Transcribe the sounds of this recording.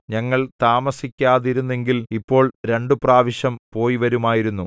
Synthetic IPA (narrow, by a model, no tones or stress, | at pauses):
ɲɐŋːɐɭt̪aːmɐsikʲːaːðiɾunːe̞ŋɡilipːo̞ːɭɾe̞ɳɖɨpraːʋiɕɐmpo̞ːjiʋɐɾumaːjiɾunːu